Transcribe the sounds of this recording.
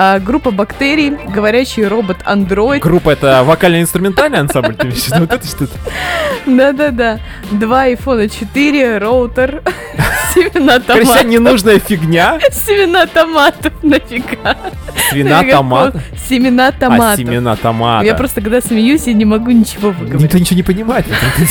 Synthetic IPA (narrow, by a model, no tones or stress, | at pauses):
aɡɾupːəbɐkt̪eɾʲɪjɡəvɐɾʲæɕːɪjro̞bət̪ʰɐ̰nd̪ɾo̞jɪt̪ɡɾupːəɛt̪əvɐkalʲnəjɪnst̪ɾʊmʲɪnt̪alʲnəjɐnsamblʲt̪ɐvʲɪsʲvot̪ɛt̪əʂt̪ot̪ | d̪ad̪ad̪a | d̪vaɐjfo̞nət͡ɕɪt̪ɨɾʲɪroʊt̪ər | sʲɪmʲɪnat̪ɐɾʲmaanʲɪnuʐnəjəfʲɪɡnʲasʲɪmʲɪnat̪ɐmat̪ənəfʲɪɡasvʲɪnaɡɐmaəsʲɪmʲɪnat̪ɐmsasɪmʲɪnat̪ɐma̰japɾo̞st̪əkɐɡd̪asmʲɪjusʲjanʲɪmɐɡunʲɪt͡ɕɪvo̞vɨɡəɾonʲɪt͡ɕvonʲɪpənʲɪmajt̪vət̪at̪